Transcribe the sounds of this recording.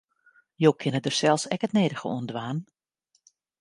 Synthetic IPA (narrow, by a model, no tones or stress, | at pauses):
joːkʰɪnədərsɛlˠsɛkətneːdəɣə̰ṵəndʋaːn